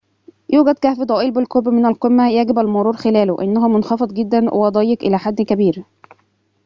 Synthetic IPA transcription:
juːɡæd̪kæhfid̪ˤɑːʔiːlbɪlqobmɪnælqemːæjæɡɪbælmʊɾˤuːɾxɪlæːlʊʔɪ̰nːæɦʊmonxɑfed̪ˤɡɪd̪ːænʔwḛɑd̪ˤɑjːekʔɪlæːħad̪ːkæbiːɾ

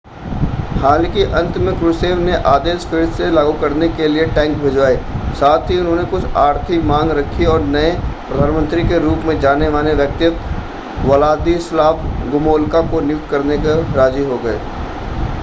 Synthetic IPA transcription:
haːlkiʔɐ̃nt̪mẽkɾʊseːʋneʔaːd̪eːskɪːselaːɡukɐɾnekelieʈɛ̃ːŋk̚bʱeːd͡ʒʋaːeːsaːt̪ʰiʊnɦõːnekʊt͡ʃʰaːɾt̪ʰikmãːŋɡɾɐkʰːiɔːɾnɐepɾɐd̪ʱaːnmə̃nt̪ɾikeɾuːpmẽd͡ʒaːneʋaːleʋjɐk̚t̪ɪjət̪ | wɐlaːd̪islaːpʰɡʊmoːlkakonɪjʊkt̪kɐɾnekeɾaːziɦoɡɐḛː

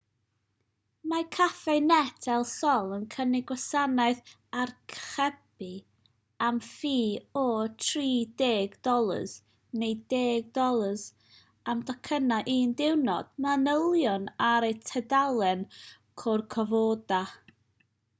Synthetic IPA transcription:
makʰafɛɨnɛdʰɛlˠsɔlˠənkʰənɪɡwasanaɨð | arkʰχɛb̥i | amfiːɔtʰriːdeːɡdɔlˠə̰z̥ | nejdeːɡ̚dɔlˠəz | amdɔkʰənaʔiːndɪwnɔ̰d̥manəlˠjɔnaɾejtʰɛdalˠɛn | kʰɔrkʰɔvoːda

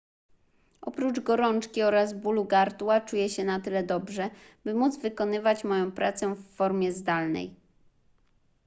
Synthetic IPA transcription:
ʔɔpɾud͡ʐɡɔɾɔnt͡ʂkʲiɔɾazbuluɡaɾt̪wat͡ʂujɛɕɛnat̪ɘlɛd̪ɔbʐɛbɘmud̪zvɘkɔnɘvat͡ɕmɔjɔ̃w̃pɾat̪sɛfːɔɾmʲjɛzd̪alnɛ̰j

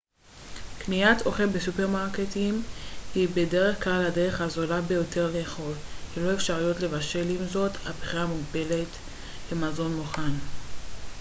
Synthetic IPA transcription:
kniat̪oχelbesupeʁmaʁketimhibe̞de̞ʁe̞χklalhadeʁe̞χazolabejo̞tʰe̞ʁle̞ːχo̞lkilo̞efʃaʁujo̞tle̞vaʃe̞limzo̞tabχiʁamuɡbe̞le̞t | bemazo̞nmuχan

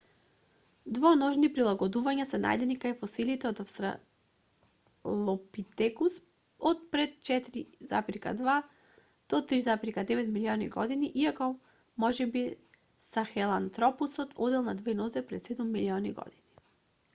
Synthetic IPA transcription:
d̪vɔnɔʒnipɾilˠaɡɔd̪uvaɲasɛna̰jd̪ɛnikajfɔsilit̪ɛɔt̪afst̪ɾa̰ | lˠɔpit̪ɛkus | ɔt̪̚pɾɛt̪̚t͡ʃɛt̪ɾiza̰pɾika̰d̪va | d̪̥ɔt̪ɾizapɾikad̪ɛvɛt̪miliɔniɡɔ̰d̪iniʔiakɔ | mɔʒɛbi | saxɛlˠant̪ɾɔpusɔt̪ʰɔd̪ɛlˠnad̪vɛnɔzɛpɾɛt̪sɛd̪umːiliɔniɡɔ̰d̪̥ini

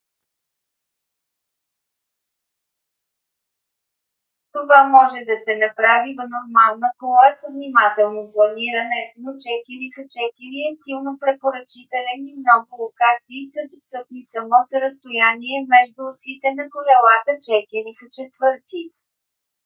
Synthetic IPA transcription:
t̪ovamɔʒɛd̪ɐsɛnɐpɾavivənoɾmalˠnəkɔlˠəɛsəvnimat̪ɛlˠnoplˠɐniɾənɛnot͡ʃɛt̪iɾixət͡ʃɛt̪iɾiɛsilˠnopɾɛpoɾət͡ʃit̪ɛlɛnimnɔɡʊlˠokat̪siːsəd̪ost̪ɤpnisɐmɔsəɾəst̪ojaniɛmɛʒd̪ʊsit̪ɛnɐkolɛlˠat̪ət͡ʃɛt̪iɾixət͡ʃɛt̪vɤɾt̪i

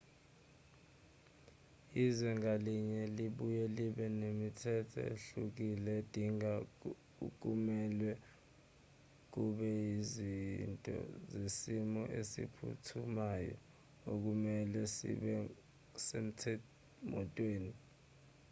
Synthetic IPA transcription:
izwɛŋaliɲɛliɓujɛliɓɛnemitʰɛtʰɔ̰ḛɬuk̬ilɛd̥ʱiŋa | uk̬ʼumɛlwɛ | k̬uɓɛjizintʼɔ̰zesimɔʔesḭpʰṵtʰumajɔ̰ | ok̬umɛlɛsḭɓɛ | sem̩tʰɛ | mɔtʼweːni

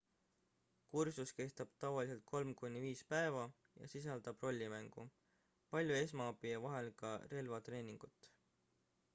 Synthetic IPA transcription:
kursuske̞st̪ɑb̥t̪ɑvɑlis̬e̞lt̪̚kʰo̞lmkunʲːiviːspæevɑ | jɑ̰sis̬ɑld̪̥ɑb̥ro̞lʲːimæŋɡ̥ṵ | pɑlʲjue̞s̬mɑɑbievɑɦe̞lkɑre̞lvɑt̪re̞ːnʲiŋɡ̥ut̪ːˑ

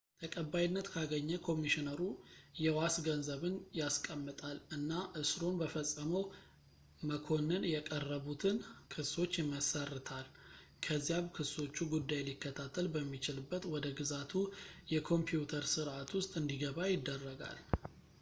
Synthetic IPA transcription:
t̪ʰəkʼəbːajinːət̪kʰaɡəɲːəkʰo̞miʃinəɾujɛwasɡənzəβɨnjaskʼəmːɨt̪ʼalɨnːaʔɨsɾo̞nbəfəsʼːəməw | məkʰo̞nɨnjɛkʼərːəβut̪ʰɨnkʰɨso̞t͡ʃːjɪməsərːɨt̪ʰal | kʰəzːijaβkʰɨso̞t͡ʃːuɡud̪ːajlikːət̪ʰat̪ʰːəlbəmːit͡ʃɪlɨbːət̪wɔd̪əɡɨzat̪ʰujɛkʰo̞mpijut̪ʰəɾsɨɾʔat̪wʊst̪ʼɨnd̪iɡəβajɪd̪ːərːəɡa̰l

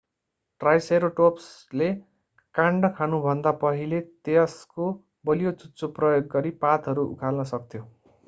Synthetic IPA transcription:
ʈrajseɾoʈopsle | kãɳɖʌkʰanubʱʌnd̪apʌɦilet̪eʌsko | bʌlijot͡sutːt͡sːoprʌjoɡːʌɾipat̪ɦʌɾuṵkʰalnʌsʌkt̪ʰjo

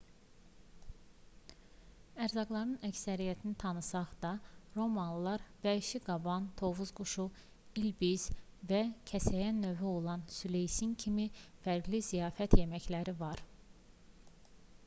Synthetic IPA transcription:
æɾzɑɡlˠɑɾɯnæcsæɾijæt̪ʰinit̪ʰɑnɯsɑχd̪̥ɑɾo̞mɑnlˠɑɾvæiʃiɡɑbɑnt̪ʰo̞vuzɡuʃu | ilbiz̥væcʰæsæjænːø̞vyo̞lˠɑnsylejsincʰimifæɾɡlizijɑːfæt̪ʰje̞mæçlæɾivɑɾ

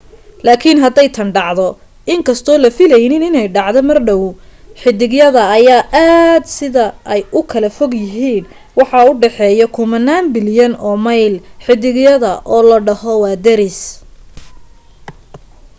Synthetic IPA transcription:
laːkʰɪnɦɐd̪ɛjt̪ʰɐɳɖɑʕðɔ | ɪŋkʰɐst̪ʰɔːlɐfɪlɛjnɪnɪnɛjɖɑʕd̪ɔmɐrɖɔwħɪd̪ɪɡjɐðɐːjaːʔaːd̪sɪðɐɛjʊkʰɐlɐfɔɡjɪɦiːn | wɑħɑʊɖɛħɛːjɔkʰʊmɐnːaːnbɪljɐnɔːmɐjlħɪd̪ɪɡjɐðɐʔɔːlɐɖɐhɔwɑːd̪ɛɾɪs

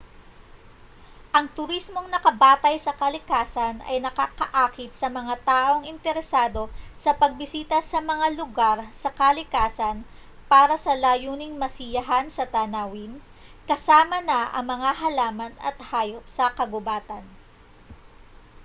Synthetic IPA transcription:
ʔɐŋt̪ʊɾismo̞ŋnɐkɐbaːt̪ɐjsɐkɐlɪkaːsɐnɐ̰jnɐkakɐʔaːkɪt̪sɐmɐŋat̪aːʔo̞ŋɪnt̪ɛɾɛsaːd̪o̞sɐpɐɡ̚bɪsiːt̪ɐsɐmɐŋalʊɡaɾsɐkɐlɪkaːsɐn | paːɾɐsɐlaːjuːnɪŋmɐsɪjɐɦansɐt̪ɐnaːwɪn | kɐsaːmɐnɐɐ̰ŋmɐŋaɦɐlaːmɐnɐ̰t̪haːjo̞p̚sɐkɐɡʊbaːt̪ɐn

